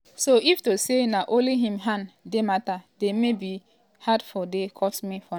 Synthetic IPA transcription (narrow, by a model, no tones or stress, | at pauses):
soiftosenaʔõliɦĩmɦãndematademebi | hadfɔdekʰɔsmifɔ